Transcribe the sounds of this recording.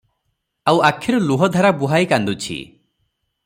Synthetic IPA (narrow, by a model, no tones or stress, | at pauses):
awakʰːiɾɔluɦɔd̪ʱaɾabuɦajkand̪ut͡ʃʰḭ